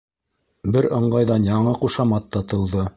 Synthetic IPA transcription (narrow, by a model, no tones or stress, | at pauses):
bɘɾɤ̆ɴɢɑjðɑnjɑɴɤquʃɑmɑt̪ːɑt̪ɤ̆w̪ˠðɤ